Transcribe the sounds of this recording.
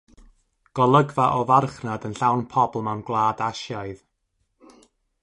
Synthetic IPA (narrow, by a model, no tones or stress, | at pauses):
ɡ̥ɔlˠəɡvaʔɔvarχnadənɬawnpʰɔblˠmɛwnɡlˠaːdaʃjaɨð